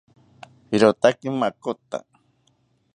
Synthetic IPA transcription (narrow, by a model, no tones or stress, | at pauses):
hiɾot̪akimakot̪a̰